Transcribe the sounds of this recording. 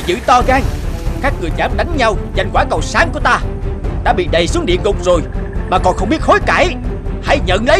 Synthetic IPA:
zɨ̰˧˥t̪ɔ˧ɣaː˧ŋkaː˦˥k̚ŋɨ˨˩əjzaː˨˦mɗa˨˦ŋ̟ɲa˧wza˨˩jŋ̟kwaː˧˩kə˨˩wsaː˨˦nku˧˩ət̪aː˧t̪aː˧ɓḭ˧˨ɗə˨˩jsu˨˦əŋɗḭ˧˨ənzʊ˨˩k͡p̚zo˨˩jmaː˨˩kɔ˨˩nxə˧wŋ͡mɓi˦˥ət̚ho˨˦jkaː˧˩jha̰˧˩˥jɲə̰˧˨nlə˨˦

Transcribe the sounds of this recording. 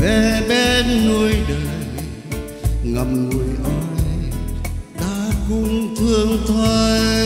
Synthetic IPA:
vɛ˨˩ɓɛ˧nnu˧əjɗəː˨˩j | ŋə˨˩m̚ŋu˧˩əjʔɔ˧˦˩ | t̪aː˧˦kʊ˧˥ŋ͡mt̪ʰɨ˧əŋt̪ʰo˧j

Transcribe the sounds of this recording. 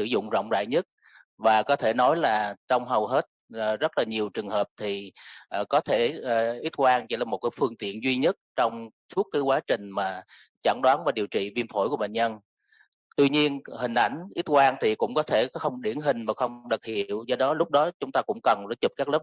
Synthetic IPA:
sɨ̰˧˩zʊ̰˧˨ŋ͡mzə̰˧˨wŋ͡mza̰ː˧˨jɲə˦˥t̚ | vaː˨˩kɔ˨˦t̪ʰe˧˩nɔ˨˦jlaː˨˩t͡ɕɔ˧wŋ͡mɦə˨˩wɦe˦˥t̚ːzə˦˥t̚laː˨˩ɲi˨˩əwt͡ɕɨ˨˩əŋhəː˨˩p̚t̪ʰi˨˩ʔːkɔ˨˦t̪ʰeː˧˩˨ʔi˦˥t̚kwaː˧ŋt͡ɕi˧˥˩laː˨˩mo˨˩t̚kaː˨˦jfɨ˧əŋt̪ḭ˧˨ənzwi˧ɲə˦˥t̚t͡ɕɔ˧wŋ͡msu˦˥t̚kaː˨˦jkwaː˨˦t͡ɕï˨˩ŋ̟maː˨˩ | t͡ɕa̰˧˩ŋɗwaː˨˦nvaː˨˩ɗi˨˩əwt͡ɕḭ˧˨vi˧ənfo˧˩jku˧˩əɓḛ˧˨n̟ɲə˧n | t̪wi˧ɲi˧ənhï˨˩ŋ̟ʔa˧˩jŋ̟ʔi˦˥t̚kwaː˧nt̪ʰi˨˩kʊ̰˧˥ŋ͡mkɔ˨˦t̪ʰe˧˩xə˧wŋ͡mɗi˧˩ənɦï˨˩ŋ̟maː˨˩xə˧wŋ͡mɗə˨˩k̚hḭ˧˨əwzɔ˧ɗɔ˨˦lʊ˦˥k͡p̚ɗɔ˨˦t͡ɕʊ˨˦ŋ͡mt̪aː˧kʊ̰˧˥ŋ͡mkə˨˩nzə˧˨˦t͡ɕu˨˩p̚kaː˦˥k̚ləː˦˥p̚

